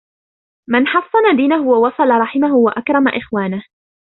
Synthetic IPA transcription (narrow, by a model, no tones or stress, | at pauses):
mɪnħɑsˤːɑnad̪iːnaɦʊwawɑsˤɑlɑɾˤɑħɪmaɦʊwaʔakɾˤɑma̰ʔɪxwaːnah